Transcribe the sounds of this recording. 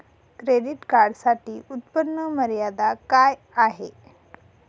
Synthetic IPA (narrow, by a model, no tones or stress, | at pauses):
kɾediʈkaɾɖsaʈiːut̪pənːəməɾjad̪akaj | aɦe